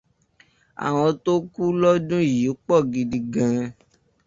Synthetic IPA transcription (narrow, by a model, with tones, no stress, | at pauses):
a̰˨w̃ɔ̃˧to˦ku˦lɔ˦dũ˦ji˨˦k͡pɔ˦˨ɡi˨di˧ɡã˨˧